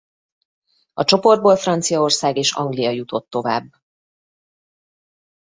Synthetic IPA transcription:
ɒt͡ʃo̞po̞rd̪̚boːlfrɒnt̪sijɒorsaːɡeːʃɒ̰ŋɡlijɒjut̪o̞t̪ːo̞va̰ːbː

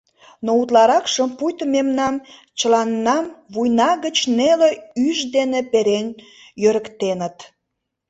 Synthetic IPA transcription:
nout̪lɑɾɑkʃəmpujt̪əmemnɑm | t͡ɕəlɑnːɑmβujnɑɣət͡ɕneleyʒd̪enepeɾen | jøɾəkt̪enət̪

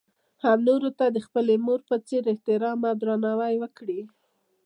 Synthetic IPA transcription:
hamnoɾot̪ad̪əxpəlemoɾpət͡seɾɪht̪ɪɾɑmad̪ɾɑnɑwajwəkɽi

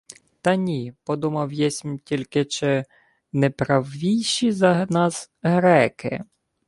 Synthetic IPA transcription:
t̪ɐnʲipɔd̪umɐwjɛsʲmʲtʲilʲkɪt͡ʃɪ | nɛpɾɐwʋʲijʃizɐɦnɑz | ɦɾɛkɪ̰

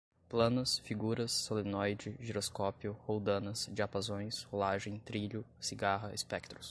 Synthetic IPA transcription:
plɐ̃nɐsfiɡuɾɐsːolenɔjd͡ʒɪʒiɾoskɔpjʊhowd̪ɐ̃nɐsd͡ʒiapazõj̃sholaʒẽj̃t̪ɾiʎʊsiɡaɦɐespɛk̚t̪ɾʊs

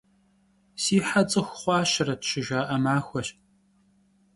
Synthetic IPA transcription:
siːħat͡sʼɨxʷχʷɑːɕɐrɐtɕɪʒaːʔɐmaːxʷɔɕ

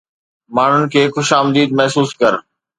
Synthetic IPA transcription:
maːɳ̤ʊnɪ̆kʰeːxʊʃaːmd̪iːd̪̚mɛɦsuːskɐɾ

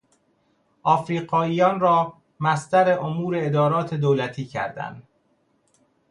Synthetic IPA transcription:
ʔɒːfɾiːɢɒːiːjɒːnɾɒː | mæst̪æɾeʔomuːɾe̞ed̪ɒːɾɒːt̪ʰe̞d̪oːlæt̪ʰiːcʰæ̰ɾd̪æ̰nd̪

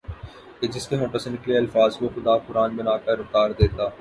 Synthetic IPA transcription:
ked͡ʒɪskemoːʈəɾsenɪkliɐlfaːzkoxʊd̪apʊɾaːnbɪnaːkɐɾʊft̪aːɾd̪eːt̪aː

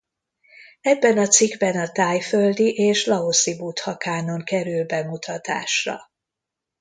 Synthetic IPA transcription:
ɛbːɛnɒt̪siɡbɛnɒt̪aːjføld̪iʔeːʃlɒosibut̪hɒkaːno̞ŋkɛɾylbɛmut̪ʰɒt̪a̰ːʃrɒ̰

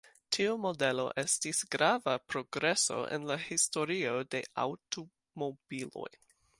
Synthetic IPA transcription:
tʰiumo̞de̞lo̞̰ʔe̞stisɡɾavapɾo̞ɡɾe̞so̞̰ʔḛnlahisto̞ɾio̞de̞a̰wto | mob̥ilo̞̰j

